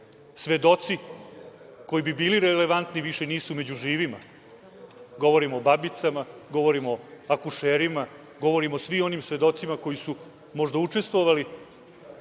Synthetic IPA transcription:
sʋe̞d̪o̞t̪si | ko̞jibibiːliɾeleʋant̪niʋiʃe̞niːsume̞d͡ʑuʒiːʋima | ɡo̞ʋo̞ɾimoːbabit̪samaɡo̞ʋo̞ɾimoakuʂeːɾima | ɡo̞ʋo̞ɾimosʋio̞nimsʋe̞d̪o̞t̪simako̞jisu | mo̞ʒd̪aut͡ʂe̞st̪ʋo̞ʋali

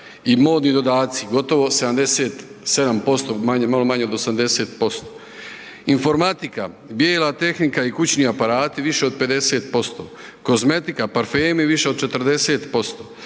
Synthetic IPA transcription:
imo̞ːd̪nid̪o̞d̪aːt̪siɡo̞t̪o̞ʋo̞se̞d̪amd̪eseːt̪se̞d̪ampo̞st̪omaɲmalo̞maɲeod̪o̞samd̪e̞seːt̪po̞st̪o | info̞ɾmat̪ika | bjeːlat̪e̞xnikaikut͡ɕniːapaɾaːt̪iʋiʃe̞o̞d̪̚pe̞d̪e̞seːt̪po̞st̪o̞̰ko̞zme̞t̪ikapaɾfeːmeʋiʃe̞od̪̚t͡ʃet̪r̩d̪e̞seːt̪po̞st̪o̞ː

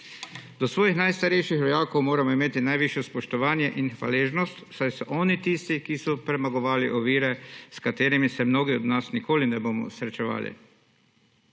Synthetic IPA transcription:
d̪ɔsʋɔːjixnajst̪aɾɛjʃixʋɔjaːkowmoːɾamɔimeːt̪inajʋiʃjɛspɔʃt̪ɔʋaːnjɛʔinxʋa̰leːʒnɔst̪wsajsɔʔɔːnit̪iːst̪ikisɔpɾɛmaɡɔʋaːliʔɔʋiːɾɛskat̪eːɾimisɛmnoːɡiɔd̪nasnikoːlinɛboːmɔ̰sɾɛt͡ʃɛʋa̰ːlḭ

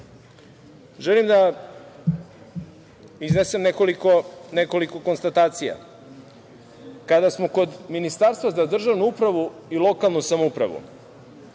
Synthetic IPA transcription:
ʒelimd̪a | iznese̞mneko̞likone̞ko̞liko̞ko̞nst̪at̪aːt̪sija̰ | kad̪asmoko̞d̪minist̪aːɾst̪vazad̪r̩ʒaʋnuupɾaʋuilˠo̞kalˠnusamoupɾa̰ʋṵ

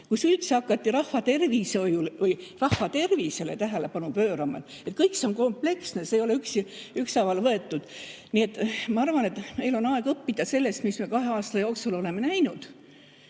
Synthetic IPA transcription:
kusylt̪seɑkːˑɑt̪ːiɾɑhvɑt̪e̞rviso̞julvɯjrɑhːɑt̪e̞rvise̞le̞t̪æɦe̞le̞pɑnupø̞ːɾɑmɑ̰t̪ | et̪̚kɤjkseo̞nko̞mple̞ksne̞seːjo̞leyksyksɑvɑlvɤe̞t̪ːˑud̪̥nie̞t̪ːˑmɑɑrvɑne̞t̪me̞jlo̞nɑe̞ɡ̥ɤpːid̪ɑse̞lːe̞st̪mismekɑɦe̞ɑːst̪ɑjoːksulo̞le̞me̞næjnud̪̥

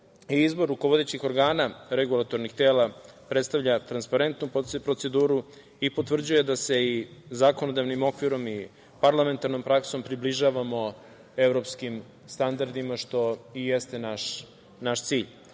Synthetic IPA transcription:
iizbo̞ɾːukoʋo̞d̪et͡ɕixo̞ɾɡaːnaɾeɡulˠat̪o̞ɾnixt̪e̞ːlapɾet̪st̪aʋvʎat̪ɾanspaɾe̞nt̪nuppɾo̞t̪se̞d̪uːɾu | ipo̞t̪vr̩d͡ʑuje̞d̪ase̞izako̞nod̪aʋnimo̞kʋiɾo̞mi | paɾlˠame̞nt̪aɾno̞mpɾakso̞mpɾibliʒaːʋamo̞ | e̞vɾo̞pskim | st̪and̪aɾd̪imaʃt̪o̞ijest̪e̞naʃ | naʃt̪siːʎ

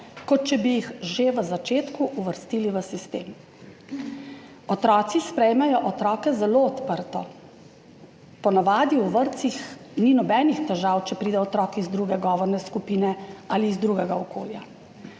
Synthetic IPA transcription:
kɔt̪̚t͡ʃɛbijixʒeʋəzat͡ʃeːt̪kuʔuʋəɾst̪iːliʋəsist̪eːm | ɔt̪ɾɔːt̪sispɾɛjmɛjɔʔɔt̪ɾɔːkɛzɛloːt̪pəɾt̪ɔ | pɔnaʋaːd̪jiuʋəɾt̪sixninɔbɛːnixt̪ɛʒawt͡ʃɛpɾiːd̪ɛɔt̪ɾɔːkizd̪ɾuːɡɛɡɔːʋɔɾnɛskupiːnɛaliːzd̪ɾuːɡɛɡaɔkoːlja

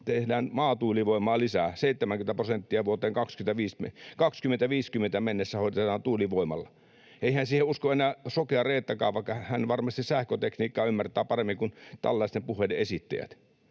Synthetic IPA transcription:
t̪ehdæːnmɑːt̪uːliʋoimˑɑːlisæːseˑit̪ːemæŋkymĕt̪æprosent̪ːiɑʋuot̪eːŋkɑkskyĕt̪æʋiːsmekɑkskymːent̪æʋiːskymːˑent̪æmenːesːæhoˑit̪tetet̪ɑːnt̪uːliʋoimɑlːɑ | eihænsiːheuskoenæːsokeɑreːt̪ːækɑːʋʋɑˑikːɑhæhænʋɑrmɑst̪issæhkøt̪ekniːkːɑːymːært̪æːpɑremːiŋkunt̪æ̰lːɑˑist̪empuhˑeˑlːeesit̪ːæ̰jæ̰t̪

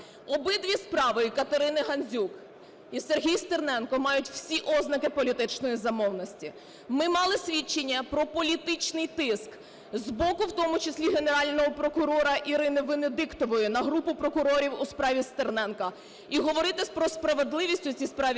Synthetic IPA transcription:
ɔbɪd̪ʲʋʲispɾɑʋɪkɐt̪ɐɾɪnɪɦɐnʲzʲuk | iserɦʲijst̪ernɛnkɔmɑjʊtʲw̥sʲiʔɔznɐkɪpɔlʲit̪ɪt͡ʃnɔjizɐmɔwnɔsʲtʲi | mɪmɑlˠɪsʲʋʲit͡ʃːenʲːɐpɾɔpɔlʲit̪ɪt͡ʃnɪjt̪ɪsk | zbɔkʊwt̪ɔmʊt͡ʃesʲlʲiɦe̞neɾɑlʲnɔɦɔpɾɔkʊɾɔɾɐʔiɾɪnɪʋɪned̪ɪkt̪ɔʋɔjɪnɐɦɾupʊpɾɔkʊɾɔɾʲiwʊspɾɑʋʲist̪ernɛnkɐ | iɦɔʋɔɾɪt̪ɪsʲpɾɔspɾɐʋe̞d̪lˠɪʋʲisʲtʲʊt͡sʲispɾɑʋʲ

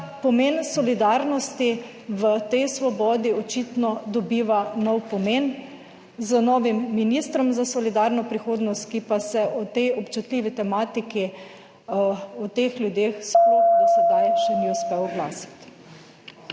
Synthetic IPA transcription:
pɔmensɔlid̪aɾnɔst̪i | ʋət̪ɛjsʋɔbɔːd̪iɔt͡ʃit̪nɔd̪ɔbiːʋanɔwpɔmen | zənɔːʋimːiniːst̪ɾɔmzasɔlid̪aɾnɔpɾixoːd̪nɔst̪kipasɛʔɔt̪ɛjɔpt͡ʃut̪liːʋit̪ɛmaːt̪iki | ɔt̪exlʲjud̪eːxspod̪asɛd̪ajʃɛniuspɛwɡlaːsi̥t̪

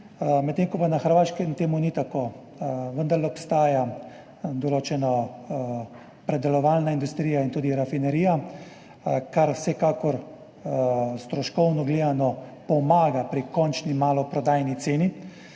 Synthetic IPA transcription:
mɛt̪ːeːŋkɔpanaxəɾʋaːʃkɛmt̪eːmunit̪akoː | ʋənd̪aɾlɛɔpst̪aːja | d̪ɔloːt͡ʃɛnɔ | pɾɛd̪ɛlɔʋaːlnaind̪ust̪ɾiːjaint̪uːd̪iɾafinɛɾiːja | kaɾwsɛkaːkɔɾ | st̪ɾɔʃkɔwnɔɡleːd̪anɔpɔmaːɡapɾikɔnt͡ʃnimaːlɔpɾɔd̪aːjnit̪seːni

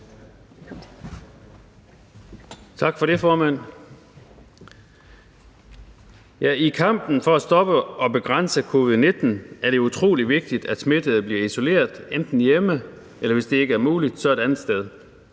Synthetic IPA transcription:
t͡sʰɑ̈ɡ̥fɒ̽ɾe̝fɒːmæn̰ | jæikʰɑ̈m̰b̥n̩fɒ̽æsd̥ɒ̽b̥əɒ̽b̥e̝ɡ̥ʁɑn̰səkʰo̝ːʋið̩ˠne̝d̥n̩æɐɾeut͡sʰʁo̝̰ːliʋe̝ɡ̥̚d̥id̥æd̥sme̝d̥əð̩ˠb̥liɐiso̝le̝̰ːɐðˠend̥n̩jemə | elɐʋe̝sd̥e̝e̝ɡ̥əæɐmuːlid̥sɒ̽ed̥ænð̩ˠsd̥eð̞ˠ

